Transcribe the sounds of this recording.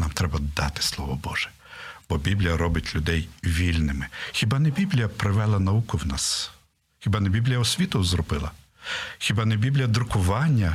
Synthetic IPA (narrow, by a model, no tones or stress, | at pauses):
nɑmt̪ɾɛbɐd̪ɑ̰t̪ɪ̥slˠɔʋɔbɔʒ̥ɛ̥ | b̥ɔbʲiblʲijɐɾɔbɪtʲlʲʊd̪ɛjʋʲilʲnɪmɪxʲɪbɑnɛbʲiblʲijɐpɾɪʋɛlˠɐnɐukʊwnɑs | xʲɪbɑnɛbʲiblʲijɐɔsʲʋʲit̪ɔwzɾɔbɪlˠɐ | xʲɪbɑnɛbʲiblʲjɐd̪ɾʊkʊʋɑnʲːɐ